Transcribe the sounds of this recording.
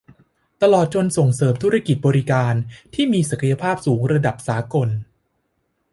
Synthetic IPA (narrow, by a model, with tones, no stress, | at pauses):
t̪a˧lɔː˨˩t̪̚t͡ɕo˧nso˨˩ŋsɤː˨˩mt̪ʰu˦˥ɾa˥˩ki˨˩t̪̚bɔː˧ɾi˦˧kaː˧nt̪ʰiː˥˩miː˧sa˨˩kʰa˧ja˧pʰaː˥˩p̚suː˩˦ŋɾa˧da˨˩p̚saː˩˦ko˧n